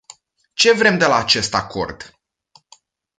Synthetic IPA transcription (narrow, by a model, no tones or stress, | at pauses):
t͡ʃe̞vɾe̞md̪e̞laːt͡ʃe̞st̪ako̞̰rd̪